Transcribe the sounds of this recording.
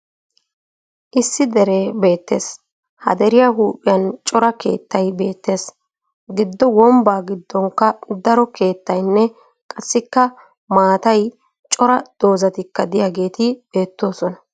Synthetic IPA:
ʔɪsːɪd̪ɛɾe̞ːbe̞ːt̪ːe̞ːs | hɐ̰d̪ɛɾɪjɐɦuːpʼːɪjɐnt͡ʃʼɔɾɐke̞̰ːt̪ːɐjbe̞ːt̪ːe̞ːs | ɡɪd̪ːɔwɔmbaːɡɪd̪ːɔŋkːɐd̪ɐɾɔke̞ːt̪ːɐjnːɛ | kʼɐsːɪkːɐ | maːt̪ɐj | t͡ʃʼɔɾɐd̪̥o̞ːzɐt̪ɪkːɐd̪ɪjaːɡe̞ːt̪ɪb̥e̞ːt̪ːo̞ːsɔnɐ

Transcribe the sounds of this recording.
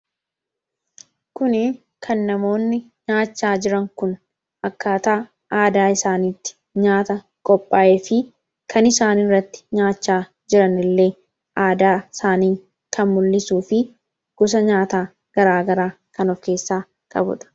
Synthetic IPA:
kʊnɪ | kʰɐnːɐmo̞ːnːɪ | ɲaːt͡ʃːaːd͡ʒɪɾɐŋkʊn | ɐkːaːt̪aː | ʔaːd̪aːɪsaːniːt̪ːɪ̥ | ɲaːt̪ɐ | kʼɔpʼːaːʔefɪ | kʰɐnɪsaːnɪrːɐt̪ːɪ̥ɲaːt͡ʃːaː | d͡ʒɪɾɐnɪlːe̞ː | ʔaːd̪aːɪsaːniː | kʰɐnmʊlːɪsuːfɪ | ɡ̥ʊs̬ɐɲaːt̪aː | ɡ̥ɐɾaːɡɐɾaː | kɐnɔfke̞ːsːaː | kʼɐ̰bʊ̰ᶑ̪ɐ̥

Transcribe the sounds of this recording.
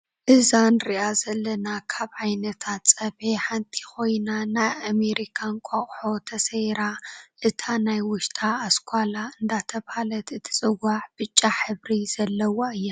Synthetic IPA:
ʔɨzanɾiʔazɐlːɐnakʰaβʕajnɐt̪ʰat̪sʼɐbeħant̪ʰi̥xo̞jnanajameɾikʰankʷʼaχʼħo̞t̪ʰɐsɐjɾaʔɨt̪ʰanajwʊʃt̪ʰʼaːskʷʰʼalaɨnd̪at̪ʰɐβalɐt̪ɨt̪ʰi̥sʼɨwaħb̥ɨt͡ʃʼːaħɨβɾiz̥ɐlːɐwaɨjːa

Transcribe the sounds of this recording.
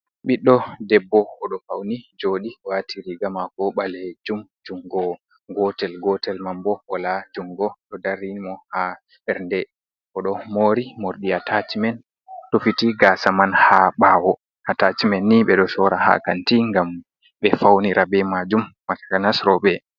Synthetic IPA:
ɓiɗːɔdɛbːɔɔɗɔfawnid͡ʒoɗiwatʰiɾiɡamakɔɓaled͡ʒumd͡ʒuŋɡɔ | ɡɔtɛlɡɔtɛlmambɔɔlad͡ʒuŋɡɔɗɔdaɾinimɔha | bɛɾndɛ | kɔɗɔmoɾimoɾɗiatʰatimɛn | tofitiɡaːsamanhaɓaːwɔ | atat͡ʃimɛnːiɓɛɗɔsɔɾaha̰kantiŋɡam | ɓɛfawniɾʔabɛmad͡ʒumːatḁkanasɾɔɓɛ

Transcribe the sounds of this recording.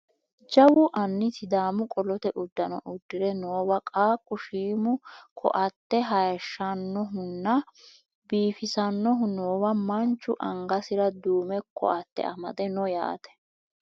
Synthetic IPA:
d͡ʒɐwʊʔɐnːɪt̪ɪd̪aːmʊkʼɔlɔt̪ɛʔʊd̪ːɐnɔ̰ʔʊd̪ːɪɾɛnoːwɐkʼaːkʼːʊʃiːmʊkʰɔ̰ʔɐt̪ːɛɦɐjɐʃːɐnːɔɦʊnːɐ | biːfɪsɐnːɔɦʊnoːwɐmɐnt͡ʃːʊʔɐŋɡɐsɪɾɐd̪uːmɛkʰɔ̰ʔɐt̪ːɛ̰ʔɐmɐ̰d̪ɛnɔja̰ːt̪ɛ̥

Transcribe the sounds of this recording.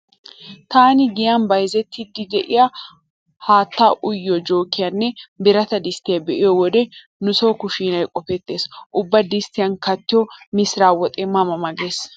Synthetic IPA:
t̪aːnɪɡɪjɐnbɐjzɛt̪ːɪd̪ːɪd̪ɛʔɪja | haːt̪ːaːʔʊjːɔd͡ʒo̞ːkːɪjɐnːɛbɪɾɐt̪ɐd̪ɪst̪ːɪjɐbɛʔɪjɔwɔd̪ɛ | nʊsoːkʊʃiːnɐjkʼɔfɛt̪ːe̞ːsʔʊbːɐd̪ɪst̪ːɪjɐnkɐt̪ːɪjɔmɪsɾaːwɔt̪ʼɛmɐmɐmɐɡeːs

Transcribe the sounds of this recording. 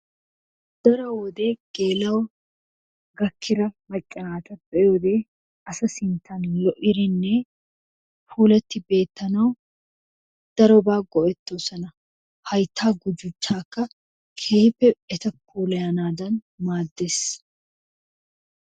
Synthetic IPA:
d̪̥ɐɾɔwɔd̪e̞ːɡ̥e̞ːlɐwɔ | ɡɐkʰːɪɾɐmɐt͡ʃʼːɐnaːt̪ɐbɛwɔd̪e̞ː | ɐsɐsɪnt̪ːɐnlɔʔɪɾɪnːɛ | fuːlɛt̪ːɪbe̞ːt̪ːɐnɐw | d̪̥ɐɾɔbaːɡɔʔɛt̪ːosɐnɐ | hɐjt̪ʰːaːɡʊd͡ʒʊt͡ʃːaːkːɐ | kʰeːhɪpːɛɛt̪ɐpʰːuːlɐjɐnaːd̪ɐn | maːd̪ːeːs

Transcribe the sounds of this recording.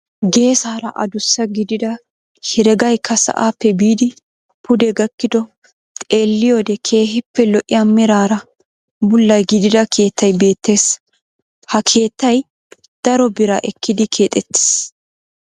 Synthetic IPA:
ɡe̞ːsaːɾɐʔɐ̰d̪ʊsːɐɡɪd̪ɪd̪ɐ | hɪɾɛɡɐjkʰːɐsɐ̰ʔaːpːɛbiːd̪ɪ | pʊd̪ɛɡɐkːɪd̪ɔ | t̪ʼe̞ːlːɪjoːd̪ɛkʰe̞ːɦɪpːɛlɔʔɪjaːmɪɾaːɾɐ | bʊlːɐjɡɪd̪ɪd̪ɐkʰe̞ːt̪ːɐjbe̞ːt̪ːe̞ːs | hɐkʰe̞ːt̪ːɐj | d̪̥ɐɾɔbɪɾɐʔɛkːɪd̪ɪkʰe̞ːt̪ʼɛt̪ːe̥ːs

